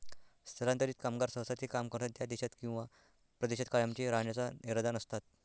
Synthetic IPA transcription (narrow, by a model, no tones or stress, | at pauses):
st̪ʰəɾant̪əɾiːt̪kamɡaɾsə̃wsat̪ʰiːkamkəɾt̪at̪jad̪eɕat̪kĩw̃ʋa | pɾəd̪eɕit̪kaɭamt͡ɕiɾaɳjat͡saniɾad̪anəst̪at̪̚